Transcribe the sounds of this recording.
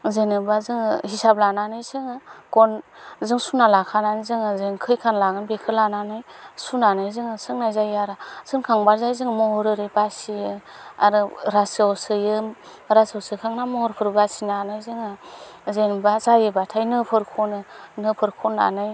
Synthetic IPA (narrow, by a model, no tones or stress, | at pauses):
zenɯbazɯŋɯhisab̚lananɯjsɯŋɯkɔnzɯŋsunalakʰananɯjzɯŋɯzeŋkʰɯjkʰanlaɡɯnbekʰɯlananɯjsunanɯjzɯŋɯsɯŋnajzajaɾaz̥ɯnkʰaŋbaɾzajzɯŋmɔɦɔɾɯɾɯbasiɯ | a̰ɾɯɾasawsɯjɯ | ɾasawsɯkʰaŋnamɔɔɾpʰɯɾbasinanɯjzɯŋɯzenbazajɯbatʰajnɯpʰɯɾkʰɔnɯnɯpʰɯɾkʰɔna̰nɯj